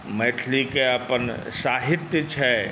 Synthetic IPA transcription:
mɛːʈʰlikeɐpən | saːɦɪt̪jət͡ʃʰɛ

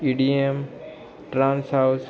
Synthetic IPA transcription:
iɖiem | ʈɾãːnsɦas

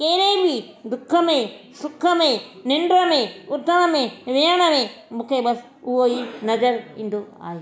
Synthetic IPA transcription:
keːɾeibʱi | d̪ʊkʰːəmẽsʊkʰːəmẽnɪɳɖɾəmẽʊɾt̪əɽ̃əmẽʋeːəɽ̃əmẽmũːkʰebɐs | ʊɦoɦinɐd͡ʒəɾḭ̃ːnd̪oa̰ːɦeː

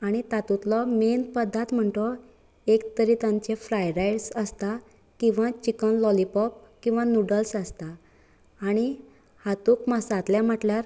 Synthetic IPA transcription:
aɽ̃it̪at̪ut̪lɔmenpəd̪ʱːat̪m̤əɳʈ̪ɔ | ekt̪əɾit̪ãɲt͡ɕefɾajɾajɽsəst̪a | kĩw̃ʋat͡ɕikənlɔlipɔp̚kĩw̃ʋanuɽəlsəst̪aː | ɽ̃i | hat̪ukməsat̪ljam̤əʈljaɾ

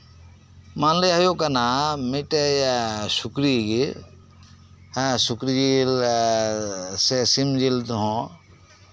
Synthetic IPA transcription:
manlejaɦjokanamiʈejsukɾiɡi | ãsukɾid͡ʒil | sesimd͡ʒilt̪uɦɔ̃

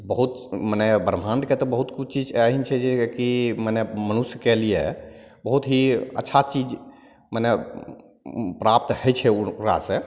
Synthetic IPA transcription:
bəɦut̪mənɛbəɾm̤anɖket̪ɔbəɦut̪kut͡ʃʰt͡ʃid͡ʒɦint͡ʃʰɛd͡ʒekimənɛmənusjəkelijḛ | bəɦut̪ɦiə̰tːʃʰat͡ʃid͡ʒ | mənɛ | pɾap̚t̪həjt͡ʃʰɛuka̰sẽ

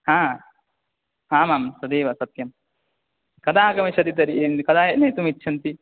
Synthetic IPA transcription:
hãː | ɦãːmaːmsɐd̪iːʋasɐt̪jɐm | kɐd̪aːkɐmit͡ʃɐd̪it̪̬ɐɾiʔnkɐd̪aːɦenɐjt̪umitːʃʰɐnt̪i

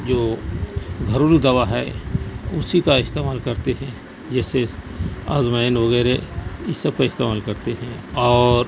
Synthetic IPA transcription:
d͡ʒoː | ɡʱɐɾuːld̪ɐʋaɦɛ | ʊsikaɪst̪eːmaːlkɐɾt̪eɦɛ̃ | d͡ʒɛːsea̰ːzmaɪnʋɐɣɛːɾeɪsːɐb̚kaɪst̪eːmaːlkɐɾt̪eɦɛ̃ɔːɾ

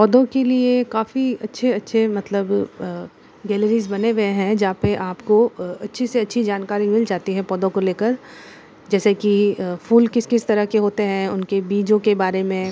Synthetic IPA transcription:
pɔːd̪õkeliekaːfiɐtːʃʰeɐtːʃʰemɐt̪ləb | ɡɛːləɾiːzbɐneɡɐeɦɛ̃d͡ʒɐɦãpeʔaːpkoɐtːʃʰiseɐtːʃʰid͡ʒaːnkaːɾimɪld͡ʒaːt̪iɦɛ̃pɔːd̪õkoleːkəɾ | d͡ʒɛːsekifuːlkɪskɪst̪ɐɾəkeɦoːt̪eɦɛ̃ʊnkebiːd͡ʒõkebaːɾemẽ

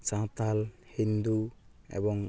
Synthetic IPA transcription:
sãt̪alhind̪uɛ̰bɔŋ

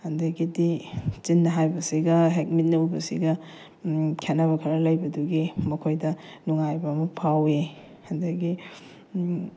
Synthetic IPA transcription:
hɐndɐɡidit͡ʃinːɐɦajbɐsiɡɐɦek̚mit̚nɐubɐsḭɡɐ | kʰenːɐβɐkʰɐɾɐlɐjbɐduɡimɐkʰojdɐnuŋajbɐːmɐpʰawe | hɐndɐɡi

